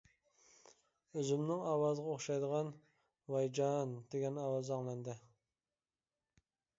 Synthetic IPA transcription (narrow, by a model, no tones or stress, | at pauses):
øzymnɪŋɑwɑzəʁɑoχʃɑjd̪əʁɑn | wɑjd͡ʒɑnd̪eɡʲɛnɑwɑzɑŋlˠɛnd̪ɪ